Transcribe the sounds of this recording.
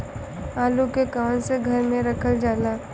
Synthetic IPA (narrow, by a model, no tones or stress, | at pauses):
aːlukekaːnseɡʱɐɾmẽɾɐkʰəld͡ʒaːlaː